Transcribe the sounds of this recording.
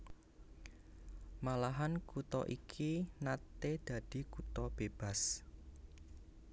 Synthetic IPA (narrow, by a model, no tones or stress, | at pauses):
malaɦankut̪ɔ̰ʔikʰinat̪ed̪̥ä̤d̪̥i̤kut̪ɔb̥eb̥a̤s